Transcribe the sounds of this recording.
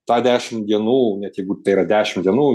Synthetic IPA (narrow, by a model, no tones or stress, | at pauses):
t̪ɑːd̪ʲæːʃʲɪmd̪ʲiɛnuːnʲɛt̪jɛɪɡʊt̪ɐɪiɾɐd̪ʲæːʃʲɪmd̪ʲiɛnuː